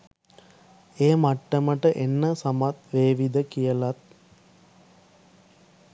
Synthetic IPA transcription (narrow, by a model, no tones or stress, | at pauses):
eːmaʈːəməʈəʔenːəsamat̪̚ʋeːʋid̪əkijəlat̪̚